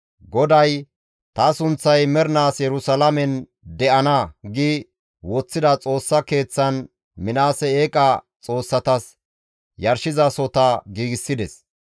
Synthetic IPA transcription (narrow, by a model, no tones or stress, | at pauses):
ɡɔd̪ɐj | t̪ɐsʊnt͡sːɐjmɛɾnaːsjɛɾʊsɐlɐmɛn | d̪ɛʔɐnɐɡɪ | wɔt͡sːɪd̪ɐt͡sʼo̞ːsːɐke̞ːt͡sːɐn | mɪnaːsɛeːkʼɐ | t͡sʼo̞ːsːɐt̪ɐs | jɐɾʃɪzɐsɔt̪ɐɡiːɡɪsːɪd̪ɛs